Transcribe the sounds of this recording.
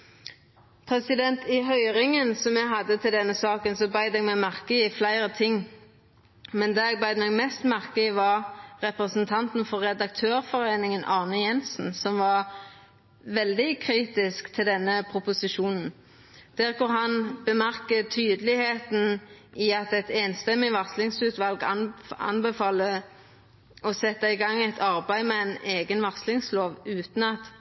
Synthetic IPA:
pʰɾɛsɪd̪ɛnt̪ɪɦœʏʁɪŋənsɔmɛɡɦɑd̪ːət̪ʰɪld̪ɛnːəsɑːkənsɔbɑɪd̪ɛɡmɛmæʁkəɪflæɪɾət̪ʰɪŋː | mɛnd̪ɛɛɡbæɪd̪mɛɡmɛst̪mæʁkəɪʋɑɾʁɛpɾəsnt̪ʰɑnt̪n̩fɔʁːɛd̪ɑk̚t̪ʰøːʁfɔɾeːnɪŋənʔɑʁnəjɛnsn̩sɔmʋɑʁ | ʋɛld̪ɪkʰʁiːt̪ɪskt̪ʰɪld̪ɛnːəpʰʁʊpʊsɪʃuːnn̩ | d̪̥æːʁkʊʁɦɑnb̥əmæʁkət̪ʰyːd̪əlɪheːt̪n̩ | ɪɑt̪ɛt̪eːnst̪ɛmːɪʋɑslɪŋsʉːt̪ʋɑlɡɑ̰nbəfɑːlə | ɔsɛt̪ːɑɪɡɑŋːæt̪ʰɑʁbæɪmɛæɪneːɡənʋɑʁslɪŋsloːʋʉːt̪n̩ɑt̪

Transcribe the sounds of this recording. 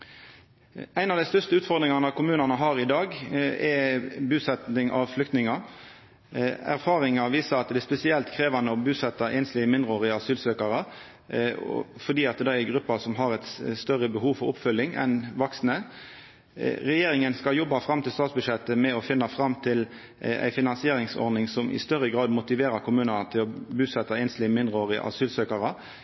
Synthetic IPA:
æɪnɑʋd̪æɪst̪œst̪əʉːt̪fɔʁd̪ʁɪŋɑnɑʋkʰʊmʉːnɑnəɦɑːɾɪd̪ɑːɡɛbʉːsɛt̪ɪŋʔɑ̰ʋflʏk̚t̪nɪŋɑ | æ̰ɾfɑːɾɪŋɑʋiːsəɾɑt̪d̪æspɛsɪɛlt̪kʰɾeːʋɑnəɔbʉːsɛt̪ːɑʔɛːnslɪɡəmɪnd̪ɾoːʁəɑsyːlsøːkɑɾə̰ | fɔd̪iːɑt̪̚d̪ɑɛɡʁʉpːəsɔmɦɑɾɛt̪st̪œʁəbəhuːʋfɔɾʊpfʏlːɪŋɛ̰nʋɑksnə | ɾɛjeːɾɪŋənskɑljɔbːɑfʁɑmt̪ʰɪlst̪ɑːt̪sbʉd̪ʂɛt̪ːəmɛɔfɪnːɑfɾɑmːt̪ʰɪl | æ̰ɪfɪnɑnsɪeːɾɪŋsɔ̰ɾd̪nɪŋsɔmʔɪ̰st̪œʁəɡʁɑːd̪mʊt̪ɪʋeːɾɑɾkʰʊmʉːnənət̪ʰɪlɔbʉːsɛt̪ːɑɛnslɪəmɪnd̪ɾəoːʁəʔɑ̰syːlsøːkɑɾə

